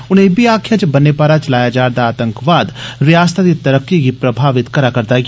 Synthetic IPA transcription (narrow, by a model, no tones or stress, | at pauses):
ʊnɦẽbiaːkʰjãt͡ʃbɐnːepaːɾat͡ʃɐlaːjad͡ʒaːɾd̪aːt̪ə̃ŋkʋaːd̪ɾɪjaːsə̥t̪ʰat̪it̪ɐɾəkːikipɾɐbʱaːʋɪt̪kɐɾakɐɾt̪ak